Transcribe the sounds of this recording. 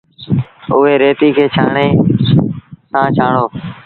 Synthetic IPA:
ʊɦeːɾeːt̪iːkʰeːt͡ʃʰaːɳeː | sãːt͡ʃʰaːɳoː

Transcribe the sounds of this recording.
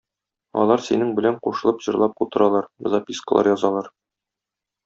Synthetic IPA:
ɒ̰lˠɑɾsinɘŋbɘ̆læɴquʃɤ̆lˠɤpʑɤ̆ɾlˠɑp̚qut̪ɤ̆ɾɑlˠɑɾ̆zɑpʲiskəlˠɑ̰ɾjɒzɑlˠɑɾ

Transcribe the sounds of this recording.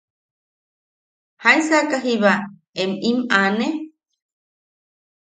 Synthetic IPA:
haĩsakaɦiβa | emimane

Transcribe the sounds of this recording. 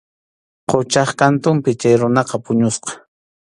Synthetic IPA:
qot͡ʃɑχkant̪ʊmpɪt͡ʃajɾʊnɑqɑpʊɲʊsqɑ̥

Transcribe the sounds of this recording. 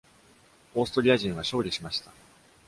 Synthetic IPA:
o̞ːsɨ̥t̪o̞ɾʲiaʑĩɰ̃βaɕo̞ːɾʲiɕimaɕi̥t̪a

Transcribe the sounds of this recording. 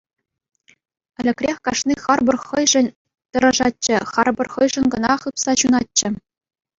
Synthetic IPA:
ɘ̆lʲɘ̆kʲrʲexʲkɑʂniχɑrbɤ̆rχɤ̆jʐɘ̆nʲ | t̪ɤ̆ɾɤʐɑt͡ɕːɘ̆χɑrbɤ̆rχɤ̆jʐɤ̆nʲɡɤ̆nɑχɯpsɑɕunɑt̚t͡ɕːɘ̆

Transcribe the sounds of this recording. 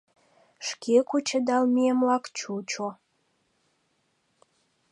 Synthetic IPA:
ʃkʰekut͡ɕəd̪ɑlmieəmlɑkt͡ʃut͡ʃo

